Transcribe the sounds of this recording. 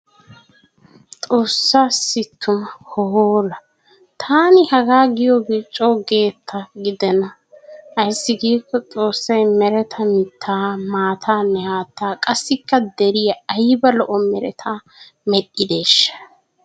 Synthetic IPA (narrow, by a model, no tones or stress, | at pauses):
t͡sʼo̞ːsːaːsɪt̪ʰːʊmɐhɔhoːlɐ | t̪ʰaːnɪhɐɡaːɡɪjɔɡet͡ʃʼoːɡe̞ːt̪ʰːɐɡɪd̪ɛnɐ | ɐjsːɪɡiːkːɔt͡sʼo̞ːsːɐjmɛɾɛt̪ʰɐmɪt̪ʰːaːmaːt̪ʰaːnːɛhaːt̪ːaːkʼɐsːɪkːɐd̪ɛɾɪjɐɐjbɐlɔʔɔmɛɾɛ̰t̪ʰaː | mɛɗːɪd̪eːʃːɐ̥